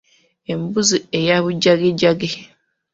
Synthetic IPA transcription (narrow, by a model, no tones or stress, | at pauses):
em̩buzuejaβud͡ʒaɡed͡ʒaɡe